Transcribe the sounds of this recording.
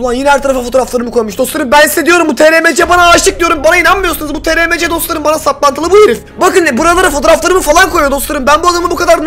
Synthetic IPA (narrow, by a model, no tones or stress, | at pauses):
anjinɛhæɾt̪ʰaɾafafo̞t̪ʰoɾaflˠaɾɯmɯkʰojmuʃd̪o̞slˠaɾɯmbænssed̪ijo̞ɾumbut̪ʰeɾemed͡ʒɛbanaːʃt̪ɯk̚d̪ijo̞ɾumbanainanmɯjosunɯzbut̪ʰeɾemed͡ʒɛd̪o̞slˠaɾɯmbanasat̪̚lˠant̪ʰɯlˠɯbujeɾifbakɯnbuɾalˠaɾafot̪ʰo̞ɾaflˠaɾɯmɯfalˠankʰo̞jojo̞d̪o̞slˠaɾɯmbænbuad̪amɯbukʰad̪aɾ